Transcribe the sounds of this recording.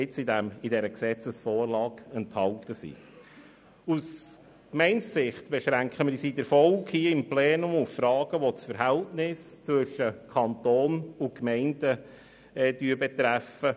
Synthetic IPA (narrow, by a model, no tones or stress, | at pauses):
ɪt͡sɪdæmɪdɛɾəksɛt͡səsfɔːrlɑːɡ̥ɛnthɑltəsḭ | us | kmɛɪnssɪχtb̥ɛʃɾæŋkχəmɪsidəɾfɔlkhiəɪmplɛːnʊmʊffɾɑːɡ̥əʋot͡sfəɾɦɛltnɪst͡sʋʏʃːəkʰɑnt̪oːnʊnkmɛɪndə | ɛd̥yːəbɛt̪ɾæfə